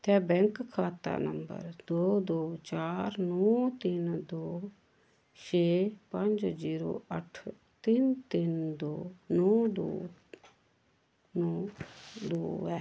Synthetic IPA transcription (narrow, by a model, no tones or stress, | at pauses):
t̪ɛːbɛ̃ŋkkʰːaːt̪a̰ːnəmbə̰ɾd̪oːd̪oːt͡ʃaːɾnɔːt̪ɪnd̪oː | t͡ʃʰeːpə̃ɲd͡ʒziːɾo̰ːəʈʰ | t̪ɪnt̪ɪnd̪oːnɔːd̪o̰ː | nɔːd̪oːɛː